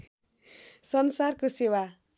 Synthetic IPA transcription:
sʌnsarkosewa

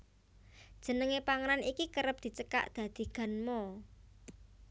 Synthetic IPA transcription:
d̥ʒ̥ə̤nəŋepaŋəɾanʔikikəɾəp̚d̪̥i̤t͡ʃəka̰ʔd̪̥ä̤d̪̥i̤ɡ̥a̤nmɔ

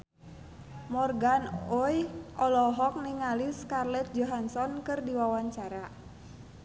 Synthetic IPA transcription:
mɔrɡanojʔɔlɔɦɔk̚niŋaliskarlɛt̪̚d͡ʒɔɦansɔnkɨrdiwawaɲt͡ʃaɾa

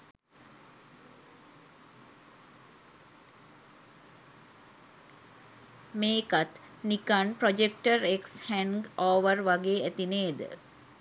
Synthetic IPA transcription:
meːkat̪ | nikanpɾod͡ʒek̚ʈəɾekshæŋɡoːʋəɾʋaɡeːæt̪ineːd̪ə̰

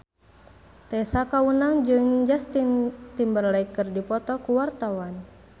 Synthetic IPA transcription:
t̪ɛsakawunaŋd͡ʒɨŋd͡ʒast̪int̪imbərlaikɨrdipɔt̪ɔkuwart̪awan

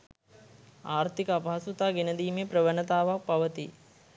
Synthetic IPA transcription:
aːɾt̪ikəapaɦɐsut̪aːɡenəd̪iːmepɾəʋənət̪aːʋak̚paʋət̪ḭ

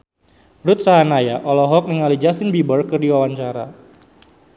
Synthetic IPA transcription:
rut̪̚saɦanajaʔɔlɔɦɔk̚nəŋalid͡ʒasɪnbibərkərdiwawaɲt͡ʃaɾa̰

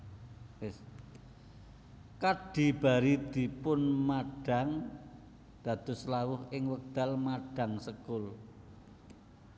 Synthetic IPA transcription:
wɪs | kaɖ̥i̤b̥a̤ɾid̪̥i̤pʊnmaɖ̥a̤ŋ | d̪̥ä̤d̪̥ʊ̤slawʊhɪŋwək̚d̪̥a̤lmaɖ̥a̤ŋsəkʊl

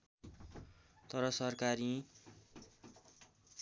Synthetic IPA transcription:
t̪ʌɾʌsʌrkaɾi

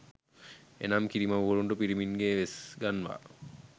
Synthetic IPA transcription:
ḛnamkiɾimɐʋʋoluɳɖupiɾimiŋɡeːʋesɡɐnʋa̰ː

